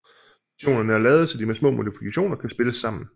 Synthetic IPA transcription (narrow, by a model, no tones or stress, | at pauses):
ɕo̝̰ːnɐnəæɐlɛːð̞̩ˠsɒ̽d̥imesmɔ̰̽ːmo̝d̥ifikʰæɕo̝̰ːnɐkʰæsb̥e̝ləsːɑ̈m̰n̩